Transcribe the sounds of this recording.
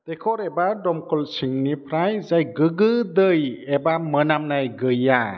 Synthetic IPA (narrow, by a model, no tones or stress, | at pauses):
t̪ekʰɔɾebadɔmkɔlsiŋnipʰɾajzajɡɯɡɯd̪ɯjebamənamnajɡɯja